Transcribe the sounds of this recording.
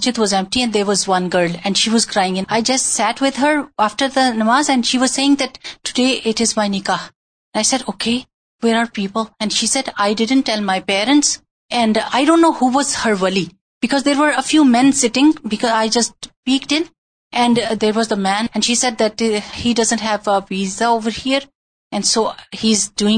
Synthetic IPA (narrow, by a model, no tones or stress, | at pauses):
t͡ʃɪt̪ʋɔzɛ̃mp̚ʈiɛ̃ndd̪eɾʋɔzʋʌ̃nɡəɾlɛ̃nɖʃiːʋʌz̥kɾaɪɪ̃ŋɪ̃naɪd͡ʒʌstsæʈwɪd̪ɦəɾafʈəɾd̪ənʌmaːzɛ̃nɖʃiːʋʌz̥seɪɪ̃ŋd̪æʈːʊdeːʔɪʈɪzmaɪnɪkax | ɛ̃naɪsɛɖoːkʰeː | weɾaɹpiːpəlɛ̃nɖʃiːsɛdaɪdɪdə̃nʈːɛlˠmaɪpɛːɾə̃nʈs | ɛ̃nɖaɪdõːnːohuʋɔzhəɾwɛli | b̥ɪkɔːzd̪eːɾʋəɾəfjuːmɛ̃nsɪʈɪ̃ŋbɪkɔzaɪd͡ʒʌsʈ̚piːk̚ʈɪ̃n | ʔɛ̃nɖd̪eɾwɔzd̪əmæ̃nɛ̃nʃiːsɛd̚d̪æʈhiːdʌzə̃ntɦævʋiːzaovəɾhiəɾ | ɛ̃nsoːhizduɪ̃ŋ